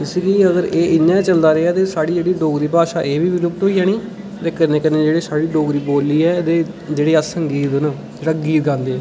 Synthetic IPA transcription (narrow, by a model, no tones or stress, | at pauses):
ɪsɡiːəɡəɾeːʔɪɲːãːt͡ʃəld̪aːɾeːaːt̪eːsaːɽiːd͡ʒeːɽiːɖoːɡd̪iːpaːʃaːʔeːʋiːʋɪːɾʊːk̚t̪ɦoːiːaːñiː | t̪eːkənẽːkənẽːd͡ʒeːɽeːsaːɽiːɖoːɡɾiːboːliːɛːd̪eː | d͡ʒeːɽeːaːsəŋɡiːt̪n | d͡ʒeːɽaːɡiːt̪̚ɡãːnd̪eː